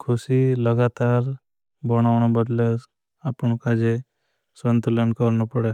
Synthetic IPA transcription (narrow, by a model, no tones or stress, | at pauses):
kʰʊsiləɡat̪aːɾ | bəɽ̃aʋɳ̃abəd̪le | apɳ̃kad͡ʒe | sʋənt̪əlenkəɾnopəɽe